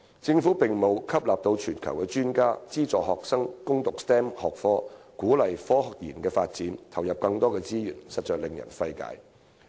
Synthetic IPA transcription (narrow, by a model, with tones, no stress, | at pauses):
t͡sɪ˧ŋfuː˨˥pɪ˨ŋmo˨˧wkʰɐ˥p̚laː˨p̚t̪o˧wt͡ʃʰyː˨˩nkʰɐ̰˨˩wkɛː˧t͡ʃyː˥nkaː˥t͡siː˥t͡sɔː˨hɔː˨k̚sɐ˥ŋkʊ˥ŋt̪ʊ˨k̚st̪ɛː˥mhɔː˨k̚fɔː˥kuː˨˥lɐ˨jfɔː˥hɔ˨k̚jiː˨˩nkɛː˧faː˧t̚t͡siː˨˥nt̪ʰɐ˨˩wjɐ˨p̚kɐ˧ŋt̪ɔː˥kɛː˧t͡siː˥jyː˨˩nsɐ˨t̚t͡ʃœː˨k̚lɪ˨˩ŋjɐ̰˨˩nfɐ˧jka̰ː˨˥j